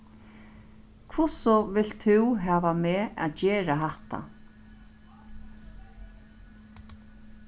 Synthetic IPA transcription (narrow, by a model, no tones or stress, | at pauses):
kʰvʊsɔvɪl̥t̪ʰɪwɦaːʋamɛːa̰ðt͡ɕɛːɾaɦaht̪a̰